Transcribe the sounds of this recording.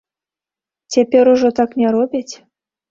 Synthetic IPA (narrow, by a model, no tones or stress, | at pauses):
tʲepʲeɾuʒot̪ɑknʲeɾobʲet̪ʲ